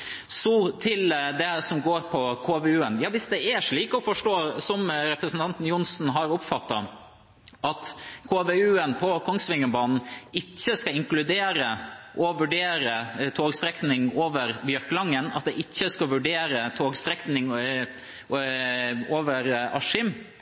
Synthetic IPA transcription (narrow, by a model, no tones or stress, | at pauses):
sɔt̪ʰɪld̪ɛsɔmɡoːɾpʰɔkʰoːʋeːʉːənjɑːʋɪsd̪ɛæʂɭiːkɔfɔʂʈoːsɔmɾɛpɾəsn̩t̪ʰɑnt̪n̩jʊnsn̩ɦɑɾʊpfɑt̪ːɑ | ʔɑt̪kʰoːʋeʉːənpʰɔkʰɔŋsʋɪŋːənbɑːnn̩ɪçːəskɑɪŋklʉd̪eːɾəʔɔʋʉɖeːɾət̪ʰoːɡst̪ɾɛknɪŋoːʋəɾbjœɾklɑŋːənɑ̰t̪̚d̪ɛʔɪçːəskɑʋʉɖeːɾət̪ʰoːɡst̪ɾɛknɪŋ | oːʋəɾɑʂɪm